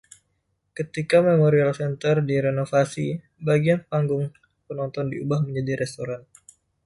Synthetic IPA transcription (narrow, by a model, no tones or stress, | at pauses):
kət̪ikamemoɾialsɛnt̪ərdiɾenofasi | baɡianpaŋɡʊŋ | pənɔnt̪ɔndiubahməɲd͡ʒadiɾɛst̪oɾan